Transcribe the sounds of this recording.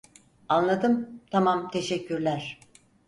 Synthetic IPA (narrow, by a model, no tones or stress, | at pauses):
anlˠad̪ɯmt̪ʰamamt̪ʰe̞ʃɛcːyɾlʲæɾ̥